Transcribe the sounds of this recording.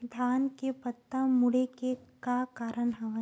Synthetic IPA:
d̪ʱaːnkepət̪ːəmʊɽekekakaːɾəɳɦɛʋə

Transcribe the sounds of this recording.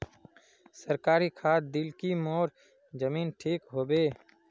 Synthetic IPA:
səɾkaːɾikʰaːd̪ɪlkimoːɾ | d͡ʒəmiːnʈʰiːkɦoːbeː

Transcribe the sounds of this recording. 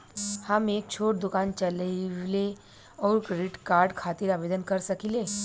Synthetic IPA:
hɐmeːk̚t͡ʃʰoːʈ̚d̪ʊkaːnt͡ʃɐlle | ɔːɾkɾiʈkaːɾɖkʰaːt̪ɪɾaːʋeːd̪ənkɐɾsɐkileː

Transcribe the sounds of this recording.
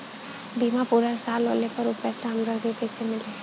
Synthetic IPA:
biːmapuːɾəɾsaːlːoːlepɐɾupɛːsamɾəɡepɛːsemɪleː

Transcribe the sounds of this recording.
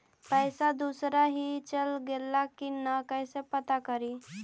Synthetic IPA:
pɛɪsad̪usɾaɦit͡ʃəlɡelakinakɛɪsepət̪akəɾi

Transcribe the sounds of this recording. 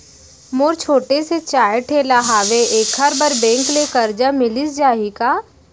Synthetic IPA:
moːɾt͡ʃʰoːʈeset͡ʃaːeʈʰeːlaɦaːʋeʔeːkʰɐɾbəɾbɛ̃ːŋklekɐɾd͡ʒamɪlɪsd͡ʒaːɦikaː

